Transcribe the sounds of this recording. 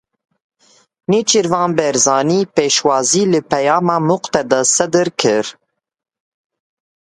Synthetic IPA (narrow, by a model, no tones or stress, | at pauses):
nit͡ʃiɾvɑ̃ːnbɛɾzɑːniːpeːʃwɑːziːlɨpɛjɑːmɑːmʊqt̪ɛd̪ɛsɛd̪ɨɾkʰɨɾ